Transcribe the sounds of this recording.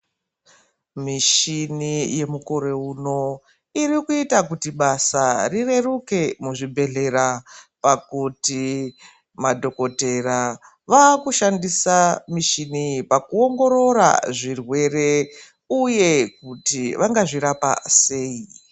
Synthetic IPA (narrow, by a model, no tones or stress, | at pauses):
miʃinije̞muko̞ɾe̞uno̞ | irikuitakutiɓasarire̞ruke̞muʐibʱe̞ɮe̞ɾapakuti | madʱo̞ko̞te̞ra | ʋakuʃandisamiʃinipakuo̞ŋɡo̞ɾo̞ɾa̰ʐirwe̞re̞ | uje̞kutiʋʔaŋɡaʐiɾapa̰se̞ːi